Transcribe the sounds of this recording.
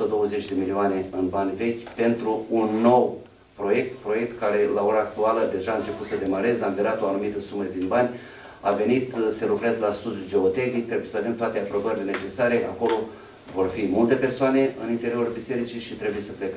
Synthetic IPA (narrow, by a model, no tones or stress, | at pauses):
t̪əd̪o̞wəze̞t͡ʃʲd̪e̞milioane̞ɨnbanʲve̞kʲpe̞nt̪ɾuːnːo̞w | pɾo̞je̞k̚t̪pɾo̞je̞k̚t̪kaɾe̞lao̞ɾaːkt̪ualəd̪e̞ʒaɨnt͡ʃe̞put̪səd̪e̞maɾe̞zamviɾat̪o̞anumit̪əsuməd̪inbanʲ | a̰ve̞nit̪se̞lukɾeazəlast̪ud̪ʲjud͡ʒe̞ot̪eknik̚t̪ɾe̞bujesəavemt̪oat̪e̞apɾo̞bəɾile̞ne̞t͡ʃe̞saɾe̞ʔa̰ko̞lo̞ | vo̞rfimult̪e̞pe̞rsoane̞ɨ̰nint̪e̞ɾio̞rbise̞ɾit͡ʃiʃit̪ɾe̞buje̞səple̞kə